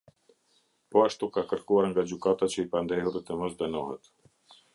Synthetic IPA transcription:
pɔaʃt̪ukakəɾkuaɾŋɡad͡ʑykat̪at͡ɕəipand̪ɛɦuɾɛt̪əmɔsd̪ənɔɦɛ̰t̪

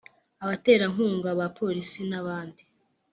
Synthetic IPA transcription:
aβate̞ːɾaŋuːŋɡaβapʰo̞ːɾisinaβaːndi

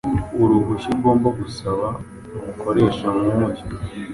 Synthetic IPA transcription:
uɾuɡuʃiɾɡo̞ːmbaɡusaβa | umukʰoɾe̞ːʃamwumuɟi

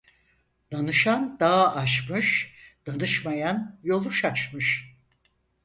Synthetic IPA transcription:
d̪̥anɯʃand̪aːaʃmɯʃd̪̥anɯʃmajanjo̞lˠuʃaʃmɯʃ

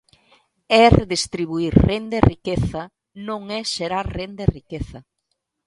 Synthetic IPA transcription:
ɛreðest̪ɾiβuiɾrend̪erikeθɐ | nõŋɛʃeɾaɾrend̪erikeθɐ

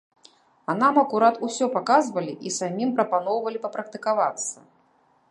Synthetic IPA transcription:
ɐnamɐkuɾat̪usʲɔpakazvɐlʲiʔisamʲimpɾɐpanɔwvɐlʲipɐpɾɐk̚t̪ɨkavat̪sːɐ

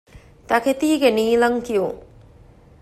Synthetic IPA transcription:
t̪ɐket̪iːɡeniːlɐŋkijuŋ

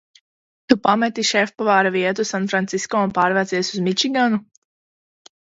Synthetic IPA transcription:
t̪upamɛt̪iʃɛfpavaːɾaviɛt̪usanfɾant̪siskɔːunpaːɾvæt̪siɛsuzmit͡ʃiɡanu

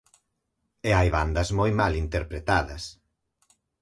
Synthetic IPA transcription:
eajβand̪ɐzmojmalint̪eɾpɾet̪aðɐs

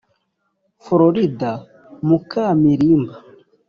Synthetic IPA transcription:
foɾoɾida | mukamiɾiːmba

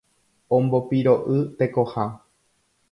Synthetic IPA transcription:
õmbo̞piɾo̞ʔɨt̪e̞ko̞ha

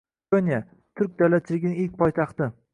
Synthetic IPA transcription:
onija | t̪ʰʊɾk̚ʲd̪awlat̪̚t͡ʃʰɪlɪɡʲɪnɪɪlʲk̚ʲpʰɒjt̪ʰɑχt̪ɪ

